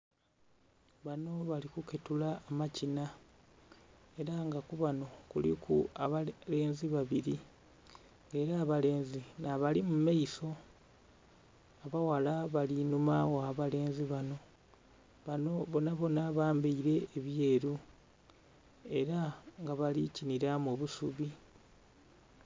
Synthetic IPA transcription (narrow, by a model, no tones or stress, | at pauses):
βano̞βalikuketulaːmacina | e̞ɾaŋɡakuβano̞kulḭkʰuaβale̞ːnziβaβiɾi | ŋɡe̞ːɾaːβale̞ːnzinaβalimumaiso̞ | aβawalaβalinumawaβale̞ːnziβano̞ | βanoβo̞naβo̞naβaːmbiiɾe̞ːβje̞ːɾu | e̞ɾaŋɡaβaliciniɾamoβusuβi